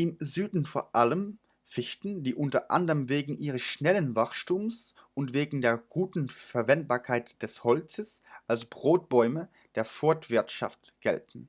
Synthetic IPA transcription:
ʔɪmzyːdn̩foːɐʔaləm | fɪçtn̩diːʔʊntɐʔa̰ndəʁəmveːɡŋ̩ʔiːʁ̞əsʃnɛlənvaχʃtuːms | ʔʊntv̥eːɡŋ̩deːɐɡ̥uːtn̩fɛɐvɛnt̚b̥aːɐkʰaɪtd̥ɛshɔlt͡səsʔalsb̥ʁoːt̚b̥ɔʏmə | d̥eːɐfɔɐtv̥ɪɐtʃa̰ftɡ̥ɛ̰ltn̩

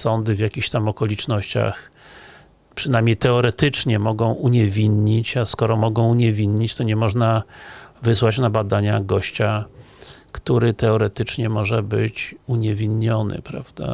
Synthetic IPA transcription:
sɔnd̪ɘvʲjakʲiçt̪amɔkɔlʲit͡ʂnɔɕt͡ɕa̰x | pʂɘnajmɲejt̪ɛɔɾɛt̪ɘt͡ʂɲɛmɔɡɔ̃w̃ʔuɲɛvʲinɲit͡ɕaskɔɾɔmɔɡɔ̃w̃uɲɛvʲinɲit͡ɕt̪ɔɲɛmɔʐnavɘswat͡ɕnabad̪aɲaɡɔɕt͡ɕa | kt̪uɾɘt̪ɛɔɾɛt̪ɘt͡ʂɲɛmɔʐɛbɘt͡ɕuɲɛvʲinɲɔnɘ̰pɾavd̪a̰

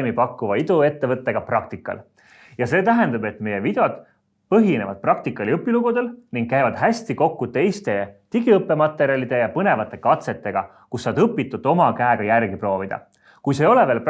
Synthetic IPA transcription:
mipɑkːuvɑid̪ue̞t̪ːe̞vɤt̪ːe̞ɡ̥ɑprɑk̚t̪ikːˑɑ̰l | jɑse̞ːt̪æɦe̞nd̪̥ɑbe̞t̪me̞je̞vid̪̥e̞od̪̥̚ | pɤɦine̞vɑd̪̥̚prɑk̚t̪ikːˑɑliɤpːˑiluɡud̪̥e̞lniŋɡ̥̚kæjvɑd̪̥ɦæsʲt̪iko̞kːut̪e̞jst̪e̞t̪iɡiɤpːˑe̞mɑt̪ːˑe̞ɾiɑlʲid̪̥e̞jɑpɤne̞vɑt̪ːˑe̞kɑt̪se̞t̪ːe̞ɡ̥ɑ | kusːɑd̪ɤpːit̪ːˑud̪̥o̞mɑkæeɡ̥ɑjærɡipro̞ːvid̪̥ɑ̰ | kujs̬ejo̞le̞ve̞ːlp

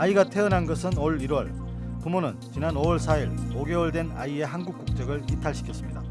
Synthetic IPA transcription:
aiɡatʰe̞ɯnɦanɡʌsʰɯnoɭiɾwʌɭ | pumonɯnt͡ɕinanoʌɭs̬ʰaiɭoɡe̞wʌɭdwe̞na̰ie̞ɦanɡuk͈̚uk̚t͡ɕ͈ʌɡɯɭitʰaɭɕʰi̥kʰjʌs͈ɯmɲida

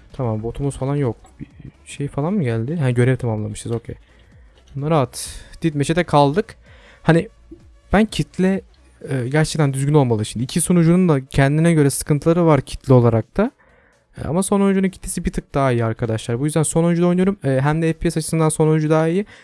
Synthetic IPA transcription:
t̪ʰamambo̞t̪ʰumuzfalˠanjok̚b̥iʃe̞jfalˠanmuɟælʲd̪ɪɦɛnɟø̞ɾɛvt̪ʰamamlˠamɯʃt̪ɯzo̞cʰḛj | bunːˠaɾaːt̪d̪̥it̪meʃʰet̪ʰɛkʰalˠd̪ɯk | hani | b̥æncʰit̪lʲɛː | ɟæɾt͡ʃʰɛc̚t̪ʰænd̪yzɟyno̞lˠmalˠɯʃimnd̪iːcʰiso̞nud͡ʒunund̪ˠacʰɛnd̪inɛɟø̞ɾɛsɯ̥kʰɯnt̪ʰɯlˠaɾɯvaɾcʰi̥t̪ʰlʲio̞lˠaɾak̚t̪ʰa̰ | a̰maso̞no̞nd͡ʒununcʰi̥t̪ʰːesibit̪ʰɯk̚d̪̥aːijɯaɾkʰad̪aʃlˠaɾbujyzd̪ænso̞no̞nd͡ʒud̪ojnujoɾumɛːɦæmd̪ɛɛfpʰiɛsat͡ʃʰɯ̥sɯnd̪anso̞nond͡ʒud̪aːijɯ

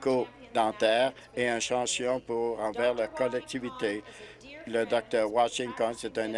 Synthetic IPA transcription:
ko | d̪ɑ̃t̪ɛːʁ | eɛ̃ʃɑ̃sjɔ̃puʁɑ̃vɛːʁlakɔlɛk̚t̪ivit̪e | ləd̪ɔk̚t̪œːʁwaʃɪ̃ŋt̪ɔnset̪ɛ̃n

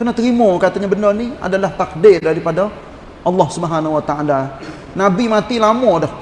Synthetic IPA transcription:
kənat̪ɾimɔkat̪aɲabənɔrnia̰dalaht̪ak̚dɪrdaɾipada | ʔɑlːɑhsubəɦanawat̪aala | nabimat̪ilamɔdɔh

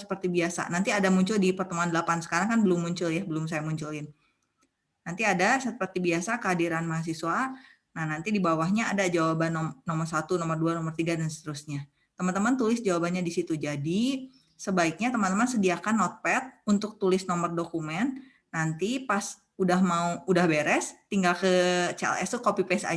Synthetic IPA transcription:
sə̥pərt̪ibiasa̰nant̪iadamuɲt͡ʃʊldipərt̪əmuandəlapansə̥kaɾaŋkanbəlʊmːuɲt͡ʃʊljahbəlʊms̬ajamuɲt͡ʃulɪn | nant̪iadasəpərt̪ibiasakəɦadiɾanmaɦas̬iswa | nahnant̪idibawahɲaːdad͡ʒawabanɔmnɔmərsat̪unɔmərduanɔmərt̪iɡadansə̥t̪əɾusɲa | t̪əmant̪əmant̪ulɪsd͡ʒawabanɲadisit̪ud͡ʒadi | səbaɪk̚ɲat̪əmant̪əmansədiakanːɔt̪̚pɛt̪̚unt̪ʊk̚t̪ulɪsnɔmərdokumɛn | nant̪ipas | udahmauudahbeɾɛst̪iŋɡalkət͡ʃɛɛ̰lɛ̰st̪ukopipɛsa̰

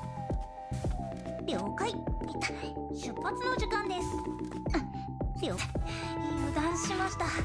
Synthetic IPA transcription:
ɾʲjoːkaiet̪ːḁɕɨpːat͡sɨno̞ʑikãnd̪e̞sɨ̥ | sjo | od̪ãɰ̃sɨ̥ɕimaɕi̥t̪a

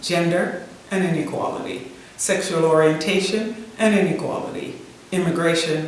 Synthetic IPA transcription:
d̥d͡ʒ̥ɛ̃ndə˞ | ʔɨ̃nɪ̃nɨkʰw̥ɑ̰lˠə̰ɾḭ | sɛkʃul̩ˠɔɹiɨ̃ntʰeɪʃɨ̃nʔɨ̃nɪ̃nɨkʰw̥ɑ̰lˠə̰ɾḭ | ɪ̃mɨɡɹeɪʃɨ̃n

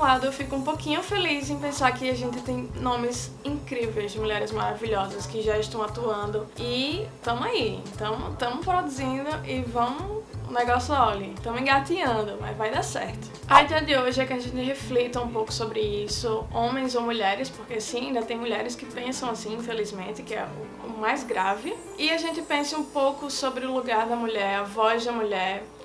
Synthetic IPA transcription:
lad̪ʊewfikʊũpokĩɲʊfelizẽj̃pẽsaɾkɪaʒẽnt̪ɪt̪ẽj̃nõmɪz | ĩkɾivejzd͡ʒɪmuʎɛɾɪzmaɾaviʎɔzɐskɪʒaɪʃt̪ɐ̃w̃at̪uɐ̃nd̪ʊɪt̪ɐ̃maiḛ̃t̪ɐ̃w̃t̪ɐ̃mʊpɾod̪uzĩd̪ʊʔɪvɐ̃m̃ʊṵ̃nɛɡɔsʊɔlit̪ɐ̃w̃ĩɡat̪iɐ̃nd̪ʊmɐ̰zvajd̪asɛ̰ɾt̪ʊ̥ | ɐid̪ɛɐd̪ɪoʒɪɛkɪaʒẽnt̪ɪɦeflit̪ɐũpowkʊ̥sobɾɪisʊõmẽj̃zowmuʎɛɾɪspoɾkeasĩaĩd̪ɐt̪ẽj̃muʎɛɾɪskɪpẽsɐ̃w̃asĩĩfelizmẽnt̪ɪkɪɛ̰ʊ | ʊmajzɡɾavɪ | ɪaʒẽnt̪ɪpẽsɐũpowkʊsobɾɪʊluɡaɾd̪ɐmuʎɛɾɐvɔzd̪ɐmuʎɛɾ

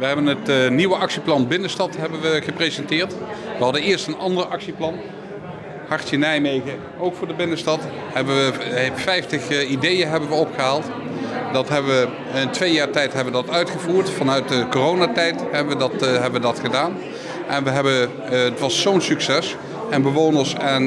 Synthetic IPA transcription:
ʋəɦɛbənətniʋəʔɑksiplɑnbɪnəstɑtɦɛbənʋəχəprezɛntɪːɹtʋəɦɑdəɪːɹstənɑndərɑksiplɑn | hɑɹtənɛjmejɣə | owkfʊːɹdəbɪnəstɑt | hɛbəʋəfɛjftəχidejəɦɛbənʋəɔpχəɦaːlˠt | dɑtɦɛbəʋə | ɪntʋejaːɹtɛjtɦɛbəʋədɑtœɥtχəvuːɹtfɑnœɥt̚dəkorownatɛjtɦɛbəʋədɑtɦɛbəʋədɑtχədaːn | ʔɛnʋəɦɛbə | ətʋɑsːownsyksɛs | ɛnbəʋownəɹsɛn

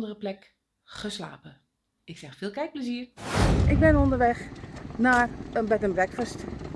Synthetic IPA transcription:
dərəplɛk | χəsla̰ːpə | ɪksɛxfɪːlˠkɛjk̚pləziːərʔɪɡ̚bɪnondəɹʋɛxnaːrənbɛtəmʋɛkfəst

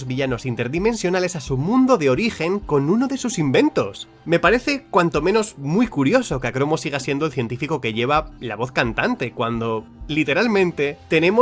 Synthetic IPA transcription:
zβiʝano̞sint̪e̞ɾðime̞nsjo̞nale̞sasumũnd̪oðeo̞ɾixe̞ŋko̞nuno̞ðe̞susimbẽ̞nt̪o̞s | me̞paɾe̞θe̞kwant̪o̞mẽ̞no̞zmujkuɾjo̞so̞keakɾo̞mo̞siɣ̞asje̞nd̪olθje̞nt̪ifiko̞ke̞ʝe̞β̞alaβo̞θkant̪ant̪e̞kwand̪o̞lit̪e̞ɾalmẽ̞nt̪e̞t̪e̞ne̞mo

